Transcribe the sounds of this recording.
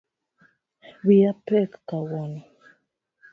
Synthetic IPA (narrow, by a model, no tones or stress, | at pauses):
wiapɛkkawɔnɔ